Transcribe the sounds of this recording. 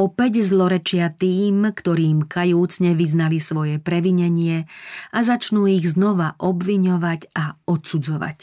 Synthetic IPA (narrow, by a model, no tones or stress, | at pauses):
ɔpɛɟzlɔɾɛt͡ʃɪat̪iːmkt̪ɔɾiːmkajuːt͡sɲɛʋiznalisʋɔjɛpɾɛʋiɲɛɲɪɛazat͡ʃnuːiɣznɔʋaʔɔbʋiɲɔʋacaɔt̪sud͡zɔʋa̰c